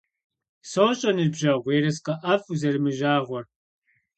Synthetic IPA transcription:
soːɕʼɐnɨbʑɐʁʷeːɾɐsqɐʔɐfuzɐrɨmɨʒaːʁʷɔr

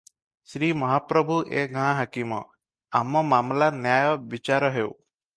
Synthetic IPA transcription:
sɾimɔɦapɾɔbʱuʔeɡɦãɦakimɔ̰ | amɔmamlanjajɔbit͡ʃaɾɔɦew

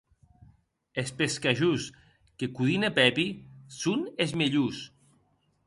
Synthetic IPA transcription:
espeskaʒus | kekuðinepɛpisunezmeʎus

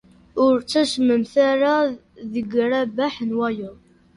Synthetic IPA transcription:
ʊɾt͡sːæʃməmθaɾˤa | ðəɡɾˤæbaħnwæjʊ

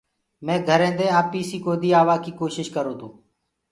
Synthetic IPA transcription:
mɛ̃ːɡʱəɾɛ̃ːd̪ẽːaːpːiːsiːkoːd̪iːaːʋaːkiːkoːʃɪʃkəɾõːd̪oː

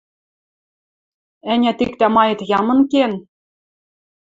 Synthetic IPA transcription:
ænʲæt̪ikt̪æmɑjɤ̆t̪jɑmɤ̆nken

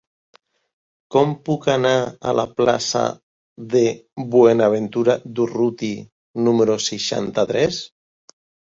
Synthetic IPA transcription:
kɔmpukanaːlʔapla̰sa̰ | ðeβwenaβ̞ent̪uɾad̪urut̪i | numeɾoseʃa̰nt̪at̪ɾɛs

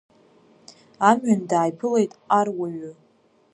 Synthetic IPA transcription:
amɥandaːjpʰɨle̞jtʼarwaɥʊ

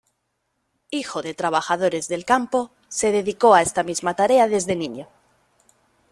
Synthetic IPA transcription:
ixo̞ðe̞t̪ɾaβ̞axað̞oɾe̞zðe̞lkampo̞ | se̞ðe̞ðiko̞aest̪amizmat̪aɾe̞aðe̞zðe̞niɲo

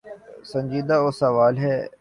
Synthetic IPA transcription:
sə̃ɲʲd͡ʒiːd̪aosɐʋaːlɦɛː

